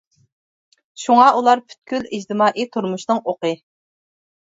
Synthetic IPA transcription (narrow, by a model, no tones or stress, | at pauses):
ʃuŋɑʔulˠɑɾpʰy̥t̪̚kʲylid͡ʒt̪ɨmɑːʔit̪ʰuɾmuʃnɨŋoqɨ